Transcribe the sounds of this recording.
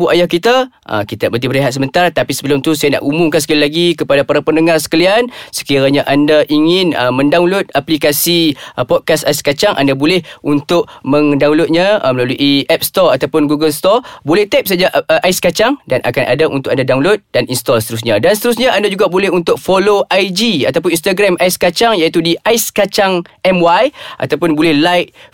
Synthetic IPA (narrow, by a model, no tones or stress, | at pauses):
buʔajahkit̪a | ə̰kit̪abəd̪ibəɾeɦat̪̚səmənt̪art̪apisəbəlʊmt̪usajana̰ʔumʊmkansə̥kalilaɡikəpadapaɾapəndəŋarsə̥kəliansə̥kiɾaɲaʔandaʔiŋɪnə̰mə̃ndawlʊt̪̚aplikasipɔt̪̚kasaiskat͡ʃaŋʔa̰ndabolɛhunt̪ʊʔ̚mə̃ŋdaulot̪̚ɲãməlaluʔiɛp̚st̪ɔrat̪awpʊnɡuɡəlst̪ɔrbolɛht̪ɛp̚sad͡ʒaʔajskat͡ʃaŋdanʔa̰kanʔa̰daʔunt̪ʊkandadawlot̪̚d̥aninst̪ɔlsə̥t̪əɾus̬ɲadansət̪əɾus̬ɲaʔandad͡ʒuɡabolɛhunt̪ʊk̚foloʔajd͡ʒia̰t̪ap̬ʊninst̪aɡɾamʔajskat͡ʃaŋjait̪udiʔajskat͡ʃaŋɛmwajʔa̰t̪awp̬ʊnbolɛhlajk̚